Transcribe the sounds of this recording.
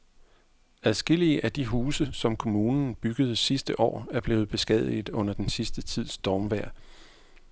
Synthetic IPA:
æðˠsɡ̥e̝l̰iəʔæd̥iɦuːsəsɒ̽mkʰo̝muːnn̩b̥yɡ̥əð̞̩ˠsisd̥əʔɒ̰ːæɐb̥le̝ːʊð̩ˠb̥e̝sɡ̥ɛð̞̰ˠið̩ˠɔ̽n̰ɐd̥ensisd̥ət͡sʰið̞̰ˠsd̥ɒːmʋæɐ̰

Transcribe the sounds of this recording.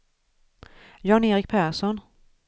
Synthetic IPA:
jɑneːɾɪk̚pʰæʂɔn

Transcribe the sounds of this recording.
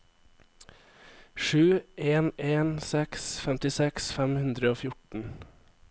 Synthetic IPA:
ʃʉːʔeːneːnsɛksfɛmt̪ɪsɛksfɛmhʉnd̪ɾəoːfjʊʈn̩

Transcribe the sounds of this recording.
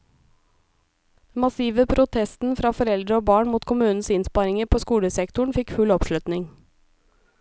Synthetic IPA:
mɑsiːʋəpʰɾʔʊt̪ʰɛst̪n̩fɾɑːfɔɾɛld̪ɾəoːbɑːɳmuːt̪kʰʊmʉːnn̩sɪnspɑɾɪŋəɾpʰoːskuːləsɛkt̪ʊɳ̩fɪkfʉlɔpʃlʉt̪nɪŋ

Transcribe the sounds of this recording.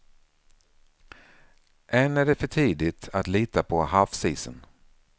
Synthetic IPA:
ʔɛnæɖɛfœʈʰiːd̪ɪt̪ʰat̪liːt̪apʰɔhafsiːsə̰n

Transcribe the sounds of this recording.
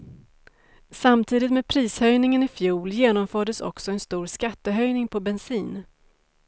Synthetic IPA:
samt̪ʰiːd̪ɪt̪meːd̪pʰɾiːshœjnɪŋənɪfjuːljeːnɔmfœːɖəsɔ̰ksɔɛnst̪uːɾskat̪ːəɦœjnɪŋpʰɔbɛnsiːn

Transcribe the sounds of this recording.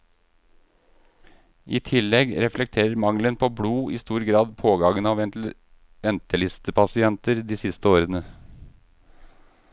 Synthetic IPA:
ʔiːt̪ʰɪlːɛɡɾɛflɛk̚t̪ʰeːɾəɾmɑŋlənpʰoːbɽuːiːst̪uːɾɡɾɑːd̪pʰoːɡɑɡənɑʋɛnt̪l̩ | ʋɛnt̪əlɪst̪əpʰɑsɪɛnt̪əɾd̪iːsɪst̪əoːɾənə

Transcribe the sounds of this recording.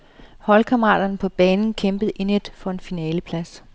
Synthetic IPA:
hɒ̽lkʰɑmʁɑ̰̈ːd̥ɐnpʰɒ̽b̥ɛːnn̩kʰemb̥əð̞̩ˠʔened̥fɒ̽e̝nfinɛːləpʰlæs

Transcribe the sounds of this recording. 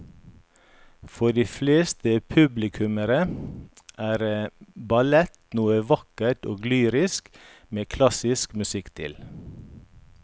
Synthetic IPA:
fɔɖiːfleːst̪əpʰʉblɪkʰʉməɾə | ʔæːɾəbɑlɛt̪nuːəʋɑkəʈo̰ːɡlyːɾɪskmeːkʰlɑsɪskmʉsɪkt̪ʰɪ̰l

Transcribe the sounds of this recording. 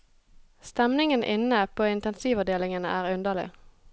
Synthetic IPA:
st̪ɛmnɪŋənʔɪ̰nəpʰoːɪnt̪ɛnsiːʋɔd̪eːlɪŋənəʔæːʁʉnd̪əlɪ̰

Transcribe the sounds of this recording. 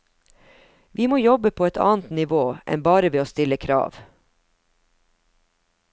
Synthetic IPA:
ʋiːmoːjɔbəpʰoːɛt̪ʰɑ̰ːnt̪nɪʋoːʔɛ̰nbɑːɾəʋeːoːst̪ɪləkʰɾɑ̰ːʋ

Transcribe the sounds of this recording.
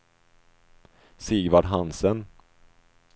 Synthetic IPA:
siɡvaɖɦansən

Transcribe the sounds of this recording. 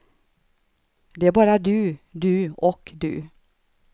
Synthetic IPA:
d̪ɛæɾbɑːɾad̪ɵʉd̪ɵʉɔkd̪ɵ̰

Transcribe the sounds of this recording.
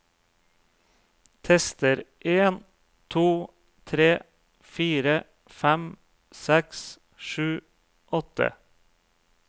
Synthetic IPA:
t̪ʰɛst̪əɾʔeːn | t̪ʰuː | t̪ʰɾeː | fiːɾə | fæm | sɛks | ʃʉː | ʔɔt̪ə̰

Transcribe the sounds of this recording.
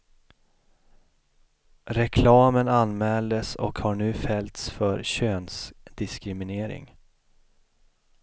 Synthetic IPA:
ɾɛkʰlɑːmənanmɛːld̪əsɔ̰khaɳʉ̟ːfɛlt̪sfœɾɕøːnsd̪ɪskɾɪmɪneːɾɪ̰ŋ

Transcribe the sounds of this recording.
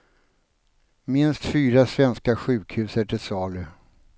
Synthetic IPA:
mɪnst̪fyːɾasvɛnskaɧʉ̟ːkʰhʉ̟ːsəʈʰɪlsɑːlɵ

